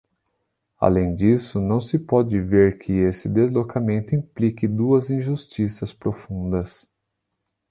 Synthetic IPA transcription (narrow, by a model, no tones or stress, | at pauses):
a̰lẽj̃d͡ʒisʊnɐ̃w̃sɪpɔd͡ʒɪveɾkʰɪesɪd̪ezlokamẽnt̪ʊĩplikɪd̪uɐzĩʒust͡ʃisɐspɾofũnd̪ɐs